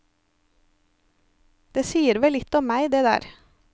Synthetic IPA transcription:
d̪̥eːsiːəɾʋɛlɪt̪ɔmmæɪd̪eːd̪æ̰ːɾ

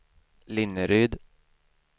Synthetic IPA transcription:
lɪnːəɾyːd̪

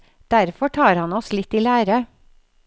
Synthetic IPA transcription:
d̪̥æɾfɔʈʰɑːɾhɑnɔslɪt̪iːlæːɾə

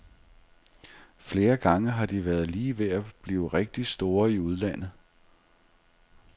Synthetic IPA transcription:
fle̝ːɐɡ̥ɑ̈ŋəɦɑ̈d̥iʋæɐð̞ˠliːʋe̝æb̥liːʊʁeɡ̥̚d̥i̥sd̥o̝ːɐiuð̞ˠlæn̰ð̩ˠ

